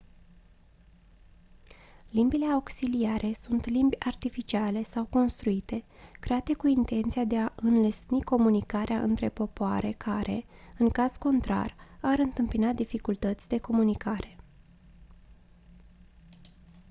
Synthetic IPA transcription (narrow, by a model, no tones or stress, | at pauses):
limbile̞auksiliaɾʔe̞sunt̪limbʲart̪ifit͡ʃiale̞sawko̞nst̪ɾuit̪e̞kɾe̞at̪e̞kuint̪e̞nt̪siad̪e̞aʔɨnlesniko̞munikaɾeaʔɨ̰nt̪ɾe̞po̞poaɾʔe̞kʰaɾʔe̞̰ɨŋkaz̥ko̞nt̪ɾa̰raɾɨnt̪ɨmpinad̪ifikult̪ət̪sʲd̪e̞ko̞munikʰaɾe̞